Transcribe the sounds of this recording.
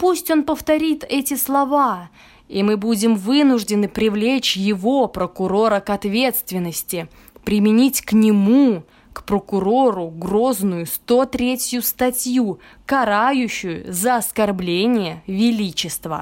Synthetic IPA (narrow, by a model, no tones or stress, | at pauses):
pusʲtʲo̞npəft̪ɐɾʲit̪ɛtʲɪslˠɐva | imɨbudʲɪmvɨnʊʐdʲɪnɨpɾʲɪvlʲet͡ɕjɪvo̞pɾəkʊɾo̞ɾəkɐt̪vʲe̞t̪st̪vʲɪnːəsʲtʲɪ | pɾʲɪmʲɪnʲitʲknʲɪmu | kpɾəkʊɾo̞ɾʊɡro̞znʊjʊst̪o̞t̪ɾʲetʲjʊst̪ɐtʲju | kɐɾajʊɕːʊjʊ̰zəɐskɐrblʲenʲɪjəvʲɪlʲit͡ɕɪst̪və̰